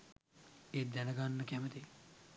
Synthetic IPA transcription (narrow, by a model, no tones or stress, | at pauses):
eːd̪ɛnəɡanːəkæmət̪e